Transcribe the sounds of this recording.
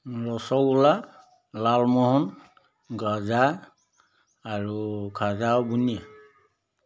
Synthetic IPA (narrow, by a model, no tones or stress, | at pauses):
ɹɔsɔkula | lalmɔɦɔn | ɡaza | aɹukʰazaɔbunia